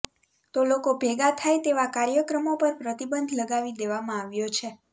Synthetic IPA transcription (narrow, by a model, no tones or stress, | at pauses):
t̪olokobʱeɡat̪ʰajt̪eʋakaɾjəkɾəmopəɾpɾət̪ibənd̪ʱləɡaʋid̪eʋamãaʋjot͡ʃʰe